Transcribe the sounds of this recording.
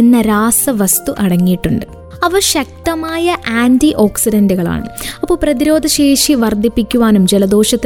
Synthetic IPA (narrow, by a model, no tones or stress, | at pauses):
enːɐɾaːsɐʋɐst̪uʔɐɽɐŋːijiʈːuɳɖɨ | ɐʋɐɕɐk̚t̪ɐmaːjɐʔaːndiʔo̞ːksidɐndɨɣɐɭa̰ːɳɨ̰ɐpːo̞ːɭprɐðiɾo̞ːd̪ʱɐɕeːʂiʋɐrd̪ʱipːikʲːuʋaːnumd͡ʑelɐd̪o̞ːʂɐt̪ː